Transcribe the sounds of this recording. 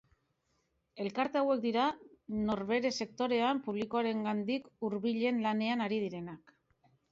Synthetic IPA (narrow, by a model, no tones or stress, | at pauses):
e̞lkaɾt̪e̞awe̞k̚d̪iɾano̞ɾβe̞ɾe̞se̞k̚t̪o̞ɾe̞ampuβ̞liko̞aɾe̞ŋɡand̪ikuɾβiʎe̞nlane̞anaɾið̞iɾe̞nak